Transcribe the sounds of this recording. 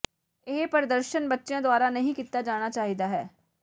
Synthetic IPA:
ɪɦpəɾd̪əɾʃənbətːʃjãːd̪ʊaːɾaːnəɦĩːkiːt̪ːaːd͡ʒaːɽ̃aːt͡ʃaːɦiːd̪aːɦɛː

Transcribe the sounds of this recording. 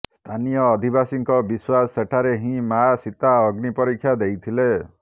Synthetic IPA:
st̪ʰanijɔːd̪ʱibasiŋkɔbiswaseʈʰaɾeɦĩmasit̪aɔɡnipɔɾikʰjad̪ejt̪ʰile

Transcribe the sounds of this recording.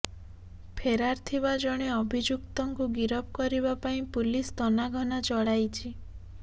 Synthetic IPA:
pʰeɾaɾt̪ʰibad͡ʒɔɽ̃eɔbʱid͡ʒukt̪ɔŋkuɡiɾɔp̚kɔɾiβapaĩpulist̪ɔnaɡʱɔnat͡ʃɔɽajt͡ʃʰi

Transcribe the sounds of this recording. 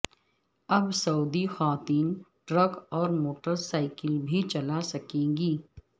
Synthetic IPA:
ɐbsɐuːd̪ixaːt̪iːnʈɾəɡɔːɾmoːʈəɾsaːɪkəlbʱit͡ʃɐlasɐkẽːɡiː

